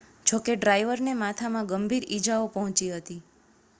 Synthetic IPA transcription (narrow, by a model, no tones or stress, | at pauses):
t͡ʃʰokeɖɾajʋəɾnemat̪ʰamãɡəmbʱiɾid͡ʒaopəɦɔ̃t͡ʃiɦət̪i